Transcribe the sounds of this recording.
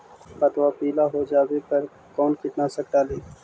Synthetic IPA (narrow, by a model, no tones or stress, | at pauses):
pɐt̪ʋapiːlaɦod͡ʒaːwepɐɾ | kɔːnkɪt̪nasɐk̚t̪aːleː